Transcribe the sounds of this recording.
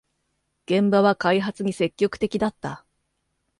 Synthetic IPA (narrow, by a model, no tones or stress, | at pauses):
ɡ̥ẽ̞mbaβakaiɦat͡sɨɲ̟ise̞kʲːo̞kɯ̥t̪e̞kʲid̪at̪ːa